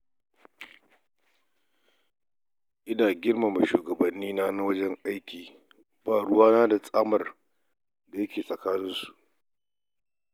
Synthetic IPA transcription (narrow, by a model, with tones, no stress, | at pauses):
ʔɪ˦daː˨ɡʲɪ˦rma˨ma˨ʃuː˨ɡɐ˨bɐ˨nːiː˦naː˦na˦wɐ˦d͡ʒɛ˦ŋʔa˦jkʲiː˨ | baː˨ɽʊ˦waː˦naː˦da˨sʼaː˦mɐ˨r | da˨jɐ˦kʲeː˨sʼɐ˨kaː˦nɪ˦nsu̥˨ʔ